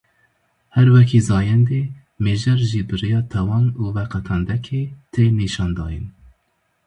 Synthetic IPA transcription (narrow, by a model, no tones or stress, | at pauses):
hɛɾwɛkʰiːzɑːjɛnd̪eː | meːʒɛɾʒiːbɨɾijɑːt̪ʰɛwɑnuːvɛqʰɛt̪ʰɑnd̪ɛkʰeːt̪ʰeːniːʃɑːnd̪ɑ̰ːjḭn